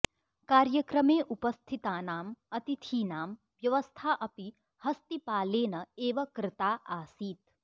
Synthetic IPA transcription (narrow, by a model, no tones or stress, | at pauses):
kaːɾjɐkɾɐmeːʔupɐst̪ʰit̪aːnaːmɐt̪it̪ʰiːnaːm | ʋjɐʋɐst̪ʰaːʔɐpi | hɐst̪ipaːleːnɐeːʋɐkɾɪt̪aːʔaːsiːt̪̚